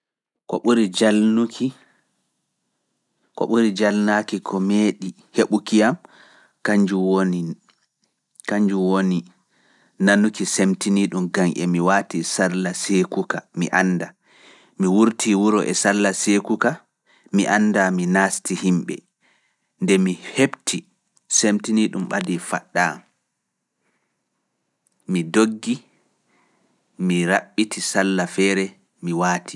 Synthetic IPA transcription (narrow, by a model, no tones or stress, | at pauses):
ko̰ɓuɾid͡ʒalnukʰi | ko̰ɓuɾid͡ʒalnakikʰɔmeːɗi | heɓukijam | kaɲd͡ʒuwoni | kaɲd͡ʒuwoni | nanukisemtiniɗumɡaŋʔɛ̰miwaːtisalːasekukamḭʔanːda | miwuɾtʰiwuɾɔʔɛ̰salːasekuka | miʔanːdaminaːstihimɓɛ̰ | ndɛmihebtʰi | semtiniɗumɓa̰difa̰ɗːaːm | midoɡːi | miɾaɓːitʰisalːafɛːɾɛ | miwaːtʰi